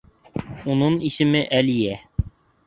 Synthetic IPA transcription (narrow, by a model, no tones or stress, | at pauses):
unɤɴisɘ̆mɘʔælijæ